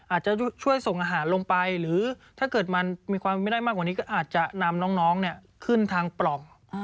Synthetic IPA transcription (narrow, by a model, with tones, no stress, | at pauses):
ʔaː˨˩t̪̚t͡ɕa˨˩t͡ɕʰu˥˩əjso˨˩ŋʔaː˧ɦaː˩˦nlo˧ŋpa˧jɾɯː˩˦t̪ʰaː˥˩kɤː˨˩t̪̚ma˧nmiː˧kʰwaː˧m˧a˥˩jda˥˩maː˥˩kwa˨˩niː˦˥kɔː˥˩ʔaː˨˩t̪̚t͡ɕa˨˩na˧mnɔː˦˥ŋnɔː˦˥ŋni˥˩ə | kʰɯ˥˩nt̪ʰaː˧ŋpɾɔ˨˩ŋ